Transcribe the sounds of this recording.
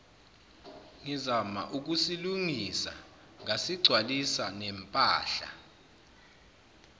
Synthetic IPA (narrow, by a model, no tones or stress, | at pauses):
ŋizama̰ʔuk̬usiluŋisa̰ | ŋasiɡ͡ǀʱwalisanɛmpʼa̰ːɬa̰